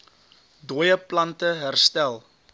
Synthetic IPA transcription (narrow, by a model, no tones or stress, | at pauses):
duəjəplɐntəɦærstælˠ